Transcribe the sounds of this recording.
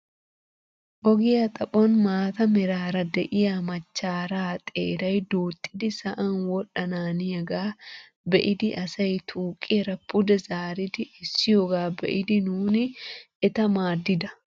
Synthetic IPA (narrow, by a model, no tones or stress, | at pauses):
ʔɔɡɪjɐt̪ʼɐpʼɔnmaːt̪ɐmɪɾaːɾɐd̪ɛʔɪjaːmɐt͡ʃːaːɾaːt̪ʼḛːɾɐjd̪uːt̪ʼːɪd̪ɪsɐʔɐnwɔɗɐnaːnɪjɐɡaː | bɛʔɪd̪ɪʔɐsɐjt̪ʰuːkʼːɪɾɐpʊd̪ɛzaːɾɪd̪ɪɪsːɪjoːɡaːbɛ̰ʔɪd̪ɪnuːnɪ | ɛt̪ɐmaːd̪ːɪd̪ɐ